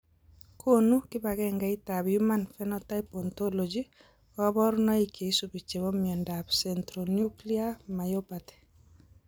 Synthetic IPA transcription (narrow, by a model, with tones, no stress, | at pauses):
kʰo˦nu˦kɪ˦ba˨ɣɛ˦ŋɡa˨i˦ta˨bju˦ma˦nfɛ˦nɔtajpɔ˨ntɔ˦lod͡ʒi | kɔ˦bɔ˦ɾnɔ˦i˨kʰe˨i˦su˨bi˨t͡ʃe˨βɔ˦miɛ˨ndabsɛntɾonju˦kli˦a˦ma˨jopa˨tɛ̥˨